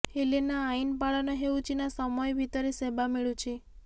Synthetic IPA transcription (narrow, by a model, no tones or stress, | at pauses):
helenaːinpaɭanaɦeut͡ʃinasəmɔjbʱit̪əɾisebameɭũt͡ʃʰe